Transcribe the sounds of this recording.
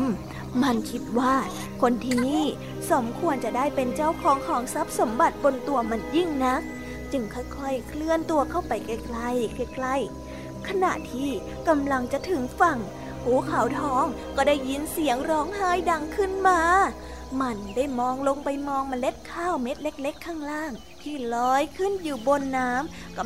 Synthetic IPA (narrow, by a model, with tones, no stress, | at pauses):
m | ma˧˩nkʰi˦˥t̪̚waː˥˩ | kʰo˧nt̪ʰiː˥˩niː˥˩ | so˩˦mkʰu˧ənt͡ɕa˨˩daː˥˩jpe˧nt͡ɕa˥˩wkʰɔː˨˦ŋkʰɔː˨˩˦ŋsa˦˥p̚so˩˦mba˨˩t̪̚bo˧nt̪u˧ɐma˧njɯ˥˩ŋna˦˥k̚ | t͡ɕɯ˧ŋkʰa˥˩wkʰɔ˧˥˩jkʰlɯ˧˩ənt̪u˧ɐkʰa˥˩wpa˨jka˥˩jkla˥˩jka˧˩jkla˥˩j | kʰa˧na̰˨˧˩ʔt̪ʰiː˥˩ | ka˧mla˧ŋt͡ɕa˨˩ʔt̪ʰɯ˨˩˦ŋfa˧˩ŋ | huː˨˩˦kʰa˨˩˦wt̪ʰɔː˦˥ŋ | kɔː˥˩daː˥˩jːi˧˥nsi˨˩˦əŋɾɔː˦˥ŋhaː˥˩jda˧ŋkʰɯ˥˩nmaː˧ | ma˧ndaː˥˩jmɔː˧ŋlo˧ŋpa˧jmɔː˧ŋma˧nle˦˥t̪̚kʰaː˥˩wme˦˥t̪̚le˦˥k̚le˦˥kʰːaː˥˩ŋlaː˥˩ŋ | p̪ʰiː˥˩lɔː˨˦˥jkʰɯ˥˩njuː˨˩bo˧nːaː˦˥m | kɔ˥˩